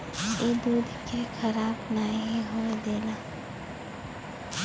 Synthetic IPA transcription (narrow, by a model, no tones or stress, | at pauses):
eːd̪uːd̪ʱkekʰəɾaːbnaːiɦoːd̪eːlaː